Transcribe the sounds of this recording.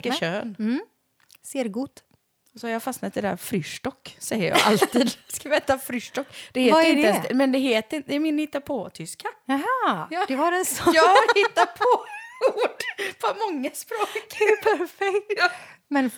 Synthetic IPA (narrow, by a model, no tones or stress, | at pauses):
kːəʃøːn | seːɾɡuːt̪ | ɔsɔhaɾjaːfasnat̪̚ːdɪɛd̪æ̰ɾfɾyːʂʈɔkːsɛjːəɾjɑ̰ːʔa̰lt̪ʰiːd̪skavɛːt̪afɾyːʂʈɔkːd̪̥ɛheːt̪ɾɪnd̪əɛnsɛmɛnd̪ɛɦeːt̪ɪnd̪ɛɾmɪnhɪt̪ːapʰɔt̪ʰʏska | jɑːd̪ɛʋaɾɛsjɑːɾhɪt̪ːapʰɔuːɖpʰɔmɔŋːaspɾoːkpʰæɾfɛkː | mɛn